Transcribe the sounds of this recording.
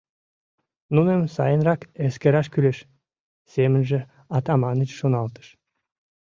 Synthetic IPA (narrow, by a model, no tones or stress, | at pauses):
nunəmsɑ̰jənrɑkeskeɾɑʃkyleʃ | semənʒĕ | ɑt̪ɑmɑnət͡ɕʃonɑlt̪ə̥ʃ